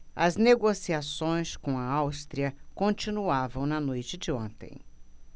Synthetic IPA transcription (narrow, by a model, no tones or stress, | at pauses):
ɐ̰zneɡosiasõj̃skõɐawst̪ɾiɐkõt͡ʃinuavɐ̃w̃nɐnojt͡ʃɪd͡ʒɪõ̰nt̪ḛ̃j̃